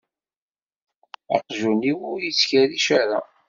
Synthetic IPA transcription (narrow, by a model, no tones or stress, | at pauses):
ɑ̰qʒuniwʊɾjit͡sːçæɾiʃaɾa